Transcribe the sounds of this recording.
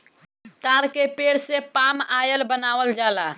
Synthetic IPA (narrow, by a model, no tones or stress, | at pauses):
t̪aɾkepeɽsepamajəlbənaʋəld͡ʒala